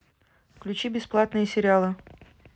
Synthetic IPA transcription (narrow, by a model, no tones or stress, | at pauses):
fklʲʉt͡ɕibʲɪsplˠat̪nɨjəsʲɪɾʲɪalˠɨ